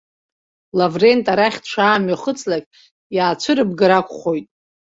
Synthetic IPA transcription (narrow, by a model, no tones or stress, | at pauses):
lavre̞ntʼaɾaχʲtʈ͡ʂʷʰaːmɥaχət͡sʰʼlakʲʼ | jaːt͡ʃʷʰɨɾɨbɡɨɾakʷʼχo̞jtʼ